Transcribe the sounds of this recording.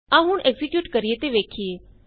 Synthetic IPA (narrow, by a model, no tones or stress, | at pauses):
aːɦʊɳʔɛːɡzɪkjuːʈkəɾieːt̪eːʋeːkʰieː